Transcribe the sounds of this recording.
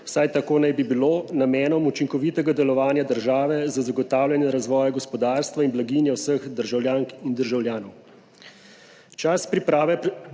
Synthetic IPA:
wsajt̪akoːnajbibilonamɛːnɔmut͡ʃiŋkɔʋiːt̪ɛɡad̪ɛlɔʋaːnjad̪əɾʒaːʋɛzazaɡɔt̪aːwlʲjanjɛɾazʋɔːjaɡɔspɔd̪aːɾst̪ʋainblaɡinjɛwsəxd̪əɾʒawljaːŋkind̪əɾʒawljaːnɔw | t͡ʃaspɾipɾaːʋɛ

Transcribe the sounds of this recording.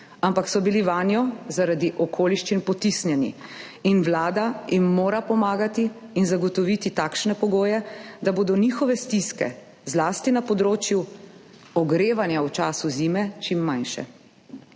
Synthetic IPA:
ampaksɔbiliʋaːnjɔzaɾad̪iʔɔkʰoːliʃt͡ʃinpɔt̪isnjɛnḭ | inʋlaːd̪ajimːoːɾapɔmaːɡat̪iː | nzaɡɔt̪ɔʋit̪it̪aːkʃnɛpɔɡoːjɛd̪aboːd̪ɔnixɔʋɛst̪iskɛ̰ | zlaːst̪inapɔd̪ɾoːt͡ʃju | ɔɡɾeːʋanjawt͡ʃaːsuziːmɛt͡ʃimːanʃɛ̰

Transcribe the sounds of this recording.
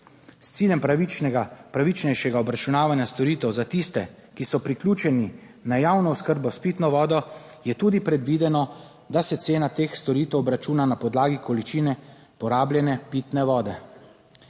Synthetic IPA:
st̪siːljɛmpɾaiɡapɾaʋit͡ʃnɛjʃɛɡaɔbɾat͡ʃunaːʋanjast̪ɔɾiːt̪ɛwzat̪ist̪ɛ | kisɔpɾiklʲuːt͡ʃɛni | najaːwnɔuskəɾbɔspit̪nɔʋɔːd̪ɔ | jɛt̪uːd̪ipɾɛd̪ʋiːd̪ɛnɔ | d̪asɛt̪seːnat̪eːxst̪ɔɾiːt̪ɛwɔbɾat͡ʃuːnanapɔd̪laːɡikɔlit͡ʃiːnɛ | pɔɾaːbljɛnɛpit̪nɛʋɔːd̪ɛ

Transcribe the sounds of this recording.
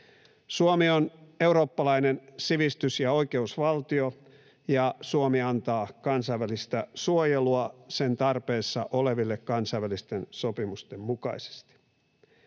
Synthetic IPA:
suomione̞uɾo̞ːpːɑlɑinensiʋist̪ysjɑo̞ike̞usʋɑlt̪io | jɑsuomiɑnt̪ɑːkɑnsɑjʋælist̪æsuojeluɑse̞nt̪ɑrpe̞ːsːɑ̰ʔole̞ʋilːekkɑnsɑiʋælist̪e̞nso̞pimust̪emmukɑ̰ise̥st̪i̥

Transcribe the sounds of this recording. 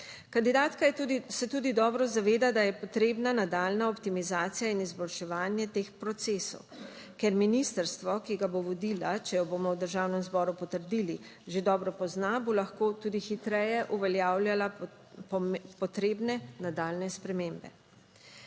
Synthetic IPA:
kand̪id̪aːt̪kajɛsɛt̪uːd̪id̪ɔːbɾɔzaʋeːd̪ad̪ajɛpɔt̪ɾeːbnanad̪aːlnaɔpt̪imizaːt̪sijainizbɔlʃɛʋaːnjɛt̪eːxpɾɔt̪seːsɔ̰w | kɛɾminist̪əɾst̪ʋɔkiɡaboʋɔd̪ilat͡ʃɛjɔbomɔwd̪əɾʒaːwnɛmzbɔːɾupɔt̪əɾd̪iːliʒed̪ɔːbɾɔpɔznabolaxkoːt̪uːd̪ixit̪ɾɛjɛʔuʋɛljaːwljala | pɔt̪ɾeːbnɛnad̪aːlnɛspɾɛmeːmbɛ̰

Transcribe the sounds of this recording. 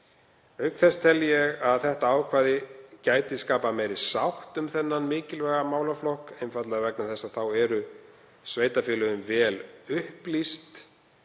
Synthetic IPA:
œɥkθɛst̪ʰɛljɛɣaðθɛht̪aaːwkʰvaːðɪcaːjt̪ɪskaːpamɛjɾɪsawht̪ʏmθɛnːanmɪːcɪlvɛːɣamaːwlaflɔhkejnfat̪laɣavɛknaθɛsaðθawɛɾʏ | sveːjt̪afɪːlʏðʏmvɛːlʏhplist̪

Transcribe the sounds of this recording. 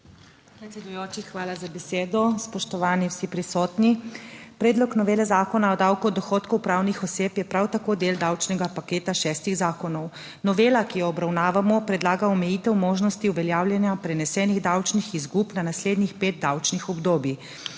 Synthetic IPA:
pɾɛt̪sɛd̪ujoːt͡ʃixʋaːlazabɛseːd̪ɔspɔʃt̪ɔʋaːniwsipɾisɔːt̪nipɾɛːd̪lɔknɔʋeːlɛzaːkɔnaɔd̪awkud̪ɔxoːt̪kuwpɾaːwnixɔseːpjɛpɾawt̪akoːd̪eːld̪awt͡ʃnɛɡapakeːt̪aʃɛːst̪iɣzaːkɔnɔw | nɔʋeːlakijɔɔbɾawnaːʋamɔpɾɛd̪laːɡaɔmɛjiːt̪ɛwmoːʒnɔst̪iuʋɛljaːwlʲjɛnjapɾɛnɛsɛːniɣd̪awt͡ʃnixizɡuːpnanasleːd̪nixpeːt̪̚d̪awt͡ʃnixɔbd̪oːbjix

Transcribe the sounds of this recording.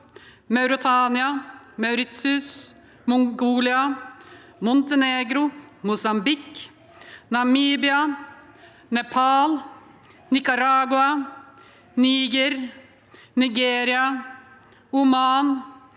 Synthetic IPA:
mɑʉɾɪt̪ʰɑːnɪɑ | mɑʉɾɪt̪sʉs | mɔŋɡuːlɪɑ | mɔnt̪ɛneːɡɾʊmʊsɑmbɪk | nɑmiːbɪɑ | nɛpʰɑːl | nɪkɑɾɑːɡʊɑ | niːɡəɾ | nɪɡeːɾɪɑ | ʊmɑːn

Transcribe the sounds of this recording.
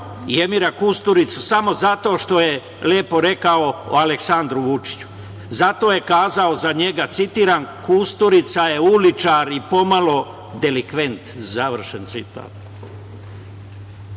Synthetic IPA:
jemiɾakust̪uɾit̪susamo̞zat̪o̞ːʃt̪o̞je | le̞ːpo̞ɾe̞kaoṵaleksand̪ɾuʋut͡ʃi̥t͡ɕu̥ | zat̪o̞ːje̞kaːzao̞zaɲe̞ɡat̪sit̪iːɾankust̪uɾit̪saje̞ulit͡ʃaɾipo̞malo̞ | d̪e̞likʋe̞nt̪zaʋr̩ʃent̪sit̪a̰ːt̪̚

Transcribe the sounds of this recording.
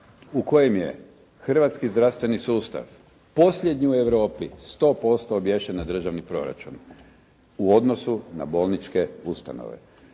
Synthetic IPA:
uko̞jemje̞̰ | xr̩ʋat̪skizd̪ɾast̪ʋe̞nisuːst̪a̰ʋ | po̞sʎʲed̪ɲiue̞ʋɾo̞ːpist̪o̞ːpo̞st̪oːbjeʃenad̪r̩ʒaʋnipɾo̞̰ɾa̰t͡ʃun | uo̞d̪nosuna̰bo̞lˠnit͡ʃke̞ust̪a̰no̰ʋḛ

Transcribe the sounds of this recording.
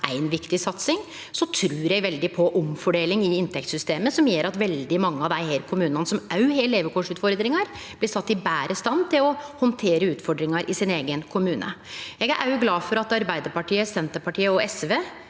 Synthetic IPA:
ʔæ̰ɪnʋɪkt̪ɪsɑt̪sɪŋ | sɔt̪ʰɾʉːɾjɛɡʋɛld̪ɪpʰɔʔɔmfɔɖeːlɪŋɪɪnt̪ʰɛk̚t̪sʏst̪eːməsɔmjøːɾʔɑt̪ʋɛld̪ɪmɑŋːəɑʋd̪æɪhæːɾkʰʊmʉːnɑnəsɔmɑʉheːleːʋəɾkʰoːʂʉːt̪fɔɾd̪ɾɪŋɑɾ | b̥lɪsɑt̪ːɪbæːɾʔəst̪ɑnt̪ʰɪlɔhɔnt̪ʰeːɾəʉːt̪fɔɖɾɪŋɑɾʔɪsɪneːɡənkʰʊmʉːnʔə̰jɛɡæɾʔɑʉɡlɑːfɔɾɑt̪ɑɾbæɪd̪əɾpɑʈiːəsɛnt̪əɾpɑʈiːəɔɛsʋeː

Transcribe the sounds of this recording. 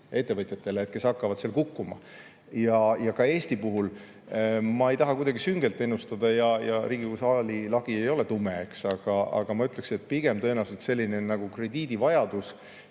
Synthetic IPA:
e̞t̪ːe̞vɤt̪ʲˑjɑt̪ːˑe̞leeːt̪̚ke̞sɑkːɑvɑtd̪selkukːumɑ̰ | jɑjɑkɑe̞ːst̪ipuɦul | mɑe̞jt̪ɑɦɑkujd̪̥ɑɡisyŋɡ̥e̞lt̪ˑːe̞nːust̪ɑd̪̥ɑjɑjɑɾiːɡ̥ikusɑlilɑɡ̥ie̞jo̞le̞t̪umeeksɑɡ̥ɑɑ̰ɡ̥ɑmɑyt̪le̞kset̪̚ːˑpiɡ̥e̞mt̪ɤ̞enɑset̪se̞lʲːineonːɑɡ̥ukre̞d̪iːd̪̥ivɑjɑd̪us

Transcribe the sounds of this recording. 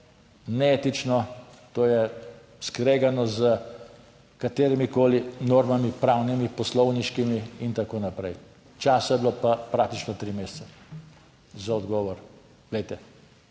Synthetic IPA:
nɛeːt̪it͡ʃnɔt̪oːjɛ | skɾeːɡanɔzə | kat̪eːɾimikoːlinoːɾmamipɾawnimipɔslɔʊwniʃkimiint̪akoːnapɾɛj | t͡ʃaːsajblopapɾakt̪it͡ʃnɔt̪ɾimeːst̪sa | zaɔd̪ɡɔʋɔɾ | ʋlɛjt̪ɛ

